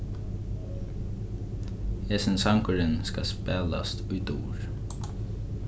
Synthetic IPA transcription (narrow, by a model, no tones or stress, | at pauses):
heːsɪnsaŋkʊɾɪnskaspɛːla̰st̪ʊjt̪ṵːɹ